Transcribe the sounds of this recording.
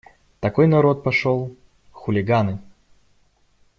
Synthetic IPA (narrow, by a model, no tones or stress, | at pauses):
t̪ɐkojnɐɾo̞t̪̚pɐʂolˠ | xʊlʲɪɡanɨ